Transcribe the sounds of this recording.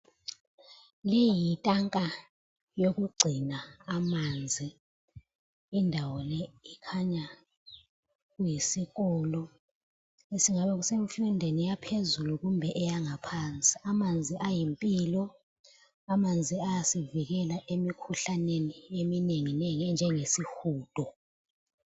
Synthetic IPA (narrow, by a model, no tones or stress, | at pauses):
lejjitʼaŋkʼa | jok̬uɡ͡ǀʱinaːmand͡zʱi | indʱawɔlɛikʰaɲa | k̬ujisikɔːlɔ | esiŋaɓɛk̬usemfundʱenijapʰezuluk̬umbʱɛʔɛjaŋapʰaːnt͡sʼi̥amand͡zʱiʔajimpʼiːlɔ | amand͡zʱiajasivik̬ɛlaʔemikʰuɬaneniemineŋinɛŋɛnd͡ʒʱɛŋesixuːd̥ʱɔ